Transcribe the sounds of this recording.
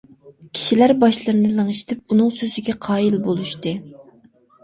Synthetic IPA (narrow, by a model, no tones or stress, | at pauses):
kʲʰi̥ʃilæɾbɑʃlˠɨɾɨnɨlˠɨŋɨʃt̪ʰɪp̚unɨŋsøzɪɡʲɛqʰɑːilbolˠuʃt̪ɨ